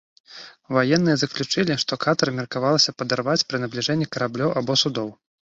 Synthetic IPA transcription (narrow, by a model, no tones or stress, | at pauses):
vajɛnːɨjɐzɐklʲut͡ʂɨlʲiʂt̪ɔkat̪ɐɾɐmʲɛrkavalˠɐsʲɐpɐd̪arvat͡sʲpɾɨnɐblʲiʐɛnʲːikɐɾablʲɔwʔabɔsud̪ɔw